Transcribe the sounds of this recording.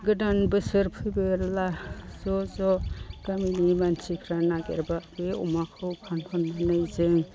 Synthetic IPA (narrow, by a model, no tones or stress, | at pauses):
ɡɯdanbɯsɯɾpʰɯbɯɾlaz̥ɔzɔɡ̥aminimansʰikʰɾanaɡḛɾbabeɔ̰makʰɯwpʰanpʰanbanɯjzɯŋ